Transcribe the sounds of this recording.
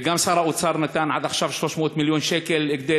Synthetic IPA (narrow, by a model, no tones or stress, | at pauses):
ɡamsɑɾˤɑʔwt̪sɑɾˤmɪt̪anʕad̪ʔaxʃafʃoʃmoːt̪mɪljuːnʃeːkɪlɪɡd̪e